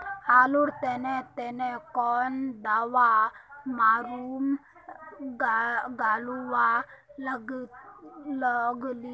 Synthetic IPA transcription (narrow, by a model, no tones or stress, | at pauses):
haːluɾt̪enet̪enekɔːnd̪aʋamaːɾuːm | ɡaːluwa | ɡ | ləɡli